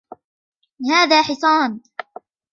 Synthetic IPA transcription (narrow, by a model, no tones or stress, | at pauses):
lɪhaːðaːħɪsˤɑːn